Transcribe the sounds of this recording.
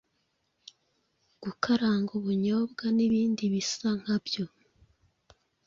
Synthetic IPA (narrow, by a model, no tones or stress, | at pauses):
ɡ̥ukʰaɾaːŋɡuβuɲoːbɡaniβiːndiβisaŋ̥habjo̞